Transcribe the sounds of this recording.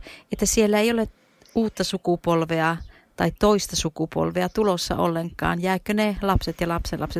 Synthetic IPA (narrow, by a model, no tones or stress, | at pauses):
et̪ːæsielːæeijole | uːt̪ːɑsukupolʋeɑ | t̪ɑitt̪oist̪ɑsukupo̰lʋeɑt̪ulosːɑ̰o̰lːeŋkˑɑ̰ːnjæːkːønelɑpset̪jɑlɑpselɑpset̪